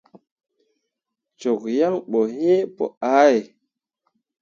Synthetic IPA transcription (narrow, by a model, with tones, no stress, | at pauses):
t͡ʃo˨kja˦ŋɓo˨ɦe˦po̰˨a˨˦j